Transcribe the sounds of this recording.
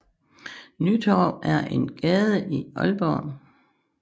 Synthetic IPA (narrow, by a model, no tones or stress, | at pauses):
nyt͡sʰɒːb̥ʔæɐʔenɡ̥ɛːð̞ˠəʔiɒlb̥ɒ̰ːn